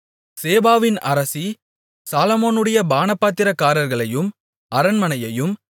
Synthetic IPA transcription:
seːbaːʋɪnɐ̰ɾɐsi | saːlɐmoːnɯɽɐjɐbaːnɐpːaːt̪ːɪɾɐkːaːɾɐɾɣɐɭɐjɯm | ɐɾɐnmɐnɐjɐjɯm

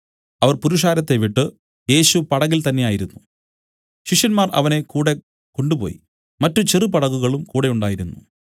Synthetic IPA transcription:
ɐʋɐrpuɾuʂ̬aːɾɐt̪ːe̞ʋiʈːɨ | je̞ːɕupɐɽɐɣilt̪ɐnːe̞jaːjiɾunːu | ɕiʂjɐnmaːrɐ̰ʋɐne̞kuːɽe̞ | ko̞ɳɖupo̞̰ːjḭ | mɐtːut͡ɕirɨpɐɽɐɣuɣɐɭumkuːɽe̞uɳɖaːjiɾunːu

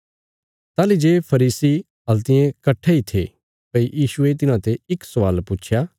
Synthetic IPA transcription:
t̪aːlid͡ʒeːpʰɐɾiːsi | ɐlt̪ɪjẽkɐʈʰːeit̪ʰe | pɐijiːʃʊet̪ɪnãt̪eɪksɐʋaːlput͡ʃʰjaː

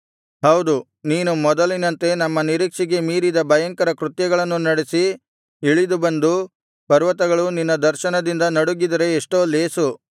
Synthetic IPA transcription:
hɐwd̪u | niːnumɔd̪ɐlinɐnt̪e̞nɐmːɐniɾiːkʂiɡe̞miːɾid̪ɐbʱɐjɐŋkɐɾɐkɾut̪jɐɡɐɭɐnːunɐɽesi | iɭid̪ubɐnd̪u | pɐɾʋɐt̪ɐɡɐɭuninːɐd̪ɐɾʃɐnɐd̪ind̪ɐnɐɽuɡid̪ɐɾe̞ːʂʈo̞ːleːsu

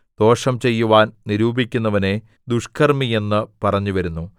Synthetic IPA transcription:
d̪̥o̞ːʂɐmt͡ɕe̞jːuʋaːnniɾuːbikʲːunːɐʋɐne̞ | d̪uʂkʰɐrmije̞nːɨpɐrɐɲːuʋɐɾunːu

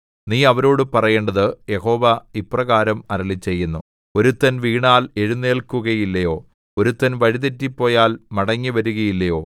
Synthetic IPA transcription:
niːɐʋɐɾo̞ːɽɨpɐrɐje̞ːɳɖɐðɨje̞ho̞ːʋɐiprɐɣaːɾɐmɐɾɐɭit͡ɕːe̞jːunːu | o̞ɾut̪ːɐnʋiːɳaːle̞ɻunːe̞ːlkuɣɐjilːɐjo̞ː | o̞ɾut̪ːɐnʋɐɻiðetːipːo̞ːjaːlmɐɽɐɲːɨʋɐɾuɣɐjilːɐjo̞ː

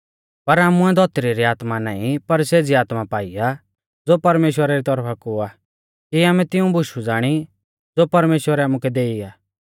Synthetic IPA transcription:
pɐɾaːmũɛd̪ʱɔt̪ɾiɾiaːt̪mana̰ːĩpɐɾseːd͡ziaːt̪mapaːija | d͡zoːpɐɾmeːʃwəɾaɾit̪ɔɾpʰakʊa | kiaːmɛ̃t̪ɪũbʱʊʃud͡zaːɽ̃i | d͡zoːpɐɾmeːʃwəɾɛaːmukɛd̪eːiaː

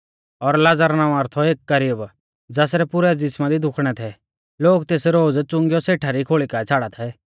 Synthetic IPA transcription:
ɔɾlad͡zəɾnãːũaːɾt̪ʰɔeːkːɐɾɪjəb | d͡zaːsɾɛpʊɾɛd͡zɪsmad̪id̪ʱʊkʰɽ̃ɛt̪ʰɛ | loːkt̪eːsɾoːd͡zt͡sʊ̃ŋɡjɔseːʈʰaɾikʰoːɭikat͡sʰaːɽat̪ʰɛ

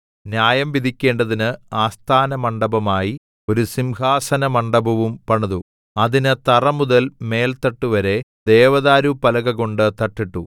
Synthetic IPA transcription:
njaːjɐmʋid̪ʱikʲːe̞ːɳɖɐðinɨaːst̪ʰaːnɐmɐɳɖɐbɐmaːji | o̞ɾusimhaːsɐnɐmɐɳɖɐbɐʋumpɐɳɐðu | ɐðinɨt̪ɐrɐmuðɐlme̞ːlt̪ɐʈːuʋɐɾe̞d̪e̞ːʋɐðaːɾupɐlɐɣɐɣo̞ɳɖɨt̪ɐʈːiʈːu

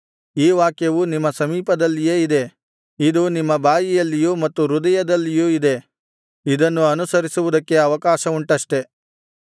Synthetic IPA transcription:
iːʋaːkjɐʋunimːɐsɐmiːpɐd̪ɐlːijeːid̪e̞ | id̪unimːɐbaːjijɐlːijuːmɐt̪ːuɾud̪ɐjɐd̪ɐlːijuːid̪e̞ | id̪ɐnːuɐnusɐɾisuʋud̪ɐkːe̞ɐʋɐkaːʃɐuɳʈɐʂʈe̞

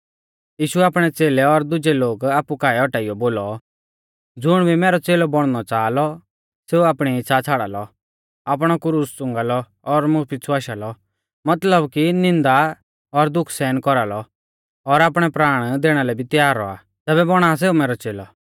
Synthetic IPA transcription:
jiːʃuaːpɽ̃ɛt͡seːlɛɔɾd̪ʊd͡ʒɛloːɡaːpːukaːɛɔʈaːɪjɔboːlɔ | d͡zʊɽ̃bʱimɛːɾɔt͡seːlɔbɔɽ̃nɔt͡saːlɔ | seːuaːpɽ̃iɪt͡sʰːat͡sʰaːɽa̰lɔ | aːp̬ɽ̃ɔkʊɾʊst͡sʊ̃ŋɡalɔː | ɾmʊpit͡sʰuaːʃalɔ | mɐt̪ləbkinɪ̃nd̪a | ɔɾd̪ʊkʰsɛːnkɔɾalɔ | ɔɾaːpɽ̃ɛpɾaːɽ̃d̪eːɽ̃alɛbʱit̪jaːɾːɔ̰a̰ | t̪ɛːbɛbɔɽ̃aːs̬eːumɛːɾɔt͡seːlɔ

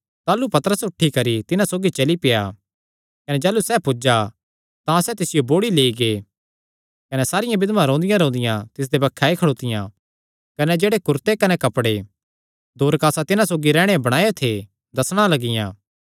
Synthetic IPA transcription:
t̪aːlupɐt̪əɾəsʊʈʰːikɐɾit̪ɪnãsoːɡit͡ʃɐlipɪja̰ | kɐnɛd͡ʒaːlusɛːpʊd͡ʒa | t̪ãsɛt̪ɪsɪjoboːɽileːiɡeː | kɐnɛsaːɾɪjãbɪd̪mãɾɔ̃ːnd̪ɪjãɾõːnd̪ɪjãt̪ɪs̬d̪ebɐkʰːaːikʰɐɽoːt̪ɪjã | kɐnɛd͡ʒeːɽekʊɾt̪ekɐnɛkɐpɽe | d̪ʱoːɾkaːsat̪ɪnãsoːɡiɾɛːɽ̃ebɐɽ̃aːjot̪ʰe | d̪ɐsɽ̃alɐɡɪjã̰ː

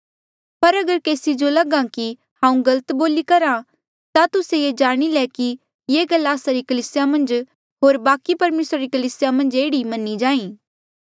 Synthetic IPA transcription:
pɐɾɐɡəɾkeːsid͡ʒolɐɡãki | hãːũɡɐlət̪boːlikɐɾã | t̪at̪ʊsejed͡ʒaːɽ̃ilɛki | jeːɡɐlːaːsaɾikɐliːsɪjamɐ̃nd͡ʒ | ɦoːɾbaːkipɐɾmeːsɾaɾikɐliːsɪjamɐ̃nd͡ʒeːɽimɐnːid͡ʒãːĩː

